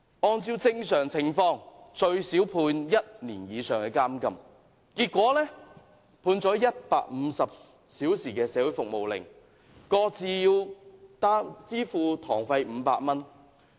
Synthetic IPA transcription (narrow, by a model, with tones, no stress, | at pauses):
ɔː˧nt͡siː˧wt͡sɪ˧ŋsœː˨˩ŋt͡sʰɪ˨˩ŋfɔː˧ŋt͡ʃɵ˧ɥsiː˨˥wpʰuː˧njɐ˥t̚niː˨˩njiː˨˧sœː˨˩ŋkɛː˧kaː˥mkɐ˧m | kiː˧t̚kːʷɔː˨˥lɛː˥ | pʰuː˧nt͡sɔː˨˥jɐ˥t̚pa̰ː˧k̚m̩˨˧˦sɐ˨p̚ | siː˨˥wsiː˨˩kɛː˧sɛː˨˥wʊ˨˥jfʊ˨k̚mo˨wlɪ̰˨˩ŋ | kɔː˧t͡siː˨jiː˧wt̪aː˥t͡siː˥fuː˧t̪ʰɔː˨˩ŋfɐ˧jm̩ː˨˧˦pa̰ː˧k̚mɐ˥n